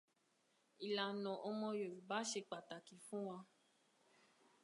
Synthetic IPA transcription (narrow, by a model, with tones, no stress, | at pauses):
i˨la˨nɔ̃˨ʔɔ˧mɔ̃˧jo˨ɾi˨ba˦ʃe˧k͡pa˨ta˨ki˨fũ˦w̃ã˧